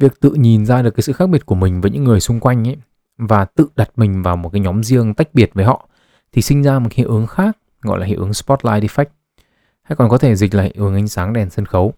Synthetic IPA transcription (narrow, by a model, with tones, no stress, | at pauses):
vi˨˩ək̚t̪ɨ̰˧˨ɲi˨˩nzaː˧ɗɨ˨˩kːaː˨˦sɨ̰˧˨xa˦˥ɓi˨˩ət̚ku˧˩əmï˨˩ŋ̟vəː˨˦jɲɨ̰˧˥ŋːɨ˨˩əjsʊ˧ŋ͡mkwa˧jŋ̟ʔ | vaː˨˩t̪ɨ̰˧˨ɗa˨˩t̚mï˨˩ŋ̟vaː˨˩wmo˨˩kaː˨˦jɲɔ˨˦mzi˧əŋt̪a˦˥jk̟̚ɓi˨˩ət̚vəː˨˦jhɔ̰˧˨ | t̪ʰi˨˩sï˧ŋ̟zaː˧mo˨˩t̚khḭ˧˨ʔɨ˨˦əŋxaː˦˥k̚ | ɣɔ̰˧˨jlaː˨˩hḭ˧˨ʔɨ˨˦ə˦ŋspɔ˦˥t̚laː˧jɗi˧fɛ˦˥jk̚ | ha̰˧˥jkɔ˨˩nkɔ˨˦t̪ʰe˧˩zi˨˩k̟̚la̰ː˧˨hʔɨ˨˦ŋʔa˨˦ŋ̟saː˨˦ŋɗɛ˨˩nsə˧nxə˨˦w